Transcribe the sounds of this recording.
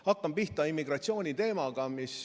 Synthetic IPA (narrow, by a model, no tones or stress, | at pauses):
hɑkːɑmpiht̪ɑimːiɡ̥ɾɑt̪sio̞ːnʲit̪e̞ːmɑɡ̥ɑmis